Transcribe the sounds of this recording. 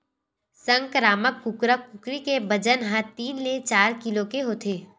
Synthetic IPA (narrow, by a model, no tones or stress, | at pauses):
sə̃ŋkɾaːməkːʊkɾəkʊkɾikebɐd͡ʒənɦãt̪iːnlet͡ʃaːɾkɪlokeɦoːt̪ʰeː